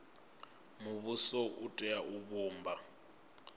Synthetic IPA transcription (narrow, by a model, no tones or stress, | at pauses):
muβusɔʔutʼɛaʔuβuːmbʱa